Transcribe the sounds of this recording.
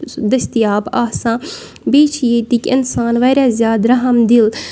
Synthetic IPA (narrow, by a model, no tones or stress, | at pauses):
d̪əst̪ijaːbaːsãː | beːt͡ʃʰjeːt̪ikɪ̰nsaːnʋaːjɾaːzjaːd̪ɾɐɦəmd̪ɪl